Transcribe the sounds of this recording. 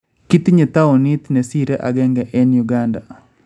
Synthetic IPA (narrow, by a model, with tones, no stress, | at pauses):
ki˦t̪iɲe˨t̪a˦ɔ˨ni˦t̪nɛ˨si˦ɾɛ˦ʔa˨ɡɛ˦ŋɡɛʔɛ˦njuɡanda